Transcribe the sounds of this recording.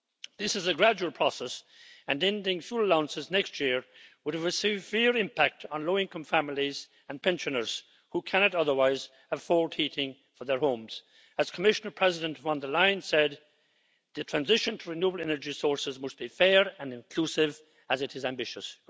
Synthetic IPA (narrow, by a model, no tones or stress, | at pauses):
ðɪsɨzɨɡɹæd͡ʒuwəl̩ˠpʰɹ̥ɔsɛs | ɨ̃nɛ̃ndɪ̃ŋfjuləlãʊə̃nsɨznɛkstʰjɪɹwʊɾɨvɨsɨvɪɹɪ̃mpʰæk̚tʰn̩loʊɪ̃ŋkə̃ɱfæml̩ˠiz | ə̃npʰɛ̃nʃɨ̃nə˞z̥ | hukʰæ̃nɨɾʌðə˞waɪz̥ | əfɔɹd̚hiɾɪ̃ŋ | fə˞ðə˞hõʊ̃mz̥ | ɨz̥kʰəmɪʃənə˞pʰɹ̥ɛzɪɾɨ̃ntvɑ̃ndə˞lãɪ̃nsɛd̪̚ | ðɨtʰɹ̥æ̃nzɪʃɨ̃ntʰəɹɨnjubl̩ˠɛnə˞d͡ʒisɔɹsɨzmʌst̚b̥ifɛɹɨ̃nɨ̃nkʰl̥usɪv | əzɨɾɨzæ̃mbɪʃɨs